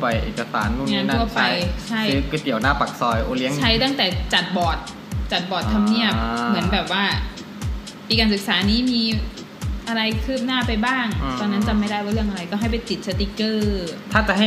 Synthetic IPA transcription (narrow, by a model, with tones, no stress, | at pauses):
pa˨˩jʔḛː˨˩ka˧sa̰ː˩˦nu˥˧˩ŋaː˦˧n˦na˧˥˩ɐt͡ɕpa˧jt͡ɕʰa˥˧˩jɯː˧kʰɯ˧ki˨˩əwnaː˥˩pa˨˩k̚sɔː˧jʔoː˧li˦˥ət͡ɕʰa˥˩jt̪a˥˩ŋt̪ɛː˨˩t͡ɕa˨˩t̪̚bɔː˨˩t̪̚ | t͡ɕa˨˩t̪̚bɔː˨˩t̪ʰːa˧mni˥˩əp̚mɯ˩˦ənbɛː˨˩p̚waː˥˩ | piː˧kaː˧ns̬ɯ˨˩k̚saː˩˦niː˦˥miː˧ | ʔa˧ɾa˧jkʰɯː˥˩p̚naː˥˩pa˧jbaː˥˩ŋt̪ɔː˧nːa˦˥nt͡ɕa˨˩ma˥˩jda˥˩jwaː˥˩ɾɯ˥˩əŋʔa˧ɾa˧jkɔ˥˩ɦa˥˩jpa˧˩jt͡ɕi˨˩t̪̚sa˧t̪i˧kɤː˥˩t̪ʰaː˥˩t͡ɕa˨˩ʔha˥˩